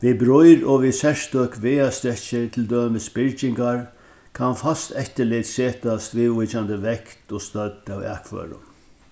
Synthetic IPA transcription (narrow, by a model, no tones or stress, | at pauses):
ʋibɾɔjɾɔʋisɛʂt̪øːkʋeːast̪ɾɛt͡ʃɪt̪ʰɪld̪øːməspɪɹt͡ʃɪŋkaɹ | kʰanfast̪ɛçt̪əlɪt̪seːt̪ast̪ɾiːʋvʊt͡ʃand̪əʋɛkt̪ɔst̪œd̪awæ̰kʰvø̰ːɾʊ̰n